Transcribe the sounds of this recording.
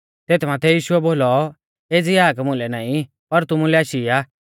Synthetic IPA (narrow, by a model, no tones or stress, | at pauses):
t̪eːt̪ʰmaːt̪ʰɛjiːʃʊɛboːlɔ | eːd͡ziaːkmʊ̃lɛnaːĩ | pɐɾt̪ʊmulɛaːʃiaː